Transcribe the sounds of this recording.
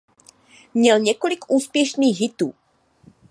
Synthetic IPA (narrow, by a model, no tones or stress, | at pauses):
mɲɛlɲɛko̞lɪkʔuːspjɛʃniːxɦɪt̪uː